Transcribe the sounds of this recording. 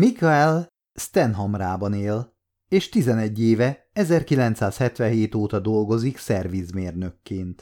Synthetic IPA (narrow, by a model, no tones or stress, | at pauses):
mikaɛl | st̪ɛnɦɒmraːbɒneːl | eːʃt̪izɛnɛɟːeːvɛ | ɛzɛrkilɛnt̪saːshɛt̪ʋɛɦeːt̪oːt̪ɒd̪o̞lɡo̞ziksɛrʋizmeːrnø̞kːeːnt̪